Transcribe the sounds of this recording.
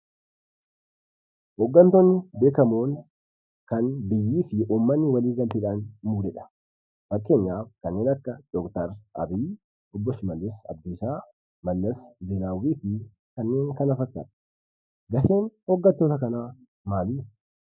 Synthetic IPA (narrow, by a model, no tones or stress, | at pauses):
hɔɡːɐnt̪ɔnːɪbe̞ːkɐmoːŋ | kɐnbɪjːiːfɪuːmːɐnːɪwɐliːɡɐlt̪ɪᶑaːnmuːɾɛᶑɐ̥ | fɐkʼːe̞ːɲːaːfkɐnːe̞ːnɐkːɐd̪̥ɔkt̪ɐɾʔɐ̰biː | ɔbːɔʃɪmɐlːɪsɐ̰d̪̚d̪ʊsaː | mɐlːɐszɛnaːwiːfɪ | kɐnːe̞ːŋkɐnɐfɐkʼːɐ̰ːᶑ̪ɐ̥ | ɡɐʃe̞ːnhɔɡːɐt̪ːoːt̪ɐkɐnaː | maːliː